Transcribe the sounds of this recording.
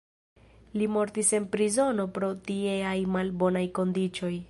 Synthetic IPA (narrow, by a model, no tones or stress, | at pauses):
limo̞ɾtise̞npɾizo̞no̞pɾo̞tieajmalbo̞najko̞ndit͡ʃo̞j